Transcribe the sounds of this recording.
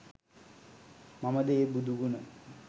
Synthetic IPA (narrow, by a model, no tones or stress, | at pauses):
mamad̪eebud̪ʱuɡuna